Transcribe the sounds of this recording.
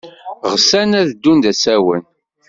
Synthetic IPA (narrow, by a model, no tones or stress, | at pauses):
ʁsænæðd̪ːund̪æsæwən